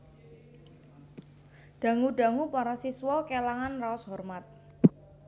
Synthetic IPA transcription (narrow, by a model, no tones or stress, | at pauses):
ɖ̥a̤ŋuɖa̤ŋupaɾasiswɔkelaŋanraɔsɦɔrmat̪̚